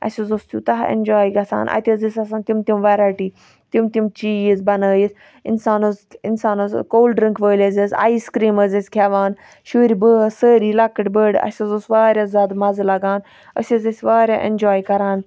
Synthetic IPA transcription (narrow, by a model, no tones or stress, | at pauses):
ɐ̰sʲɐzost̪ʲut̪ɐɦḛnʲd͡ʒaːjɡɐsa̰ːnʔɐ̰t̪ʲəzisʲɐsaːnt̪ʲimt̪ʲimʋɛːɾaːjʈiː | t̪imt̪ʲimt͡ʃiːjizbɐnaːjis | insaːnozinsaːnozkoːlɖɾiŋkʋəːlʲɐzɐsa̰ːiskɾiːməzɐsʲkʰɛːʋaːn | ʃuːɾibəːsəːɾiːlɐkːɨʈʲbəɖɐ̰sʲɐzosʋaːɾʲjazʲaːd̪mɐzlɐɡaːn | ə̰sʲɐzɐsʲʋaːɾʲaːʔḛnd͡ʒaːjkɐɾaːn